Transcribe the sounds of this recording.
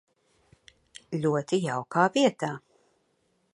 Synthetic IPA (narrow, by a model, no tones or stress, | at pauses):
lʲuɔt̪ijawkʰaːviɛt̪aː